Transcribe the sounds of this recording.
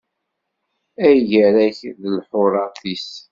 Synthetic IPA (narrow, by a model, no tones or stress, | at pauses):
æjʝəɾæçðəlħʊɾˤɑθis